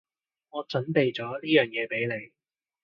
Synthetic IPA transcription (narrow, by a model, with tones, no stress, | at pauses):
ŋɔː˨˧t͡sɵ˨˥npe˨jt͡sɔː˨˥liː˥jœː˨ŋjɛː˨˧pe˨˥jle˨˧j